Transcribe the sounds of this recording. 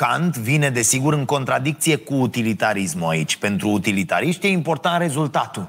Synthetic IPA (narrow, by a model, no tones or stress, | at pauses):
kant̪vine̞d̪e̞siɡuɾɨŋko̞nt̪ɾad̪ik̚t̪sije̞kuːt̪ilit̪aɾismuait͡ʃʲpe̞nt̪ɾuːt̪ilit̪a̰ɾiʃt̪je̞impo̞rt̪ant̪re̞zult̪at̪u